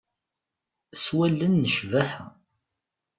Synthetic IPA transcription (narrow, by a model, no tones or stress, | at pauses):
swælːənːəʃvæħə